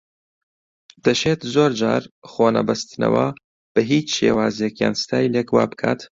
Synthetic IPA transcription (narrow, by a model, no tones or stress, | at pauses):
d̪̥ɐʃeːt̪zoːɾd͡ʒaːɾxoːnɐ̰bɐst̪ɨnɐ̰wɐ̰ | b̥ɐɦiːt͡ʃʃḛːwaːzijɛkja̰ːnsɨ̥t̪ʰaːjleːkwa̰ːbɨ̥kʰa̰ːt̪